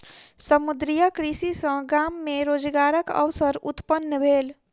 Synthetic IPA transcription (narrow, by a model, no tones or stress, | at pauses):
səmud̪ɾijakɾisisə̃ɡaːmːeɾoːd͡ʒɡaːɾəkə̰ʋsəɾʊt̪pənːəbʱeːl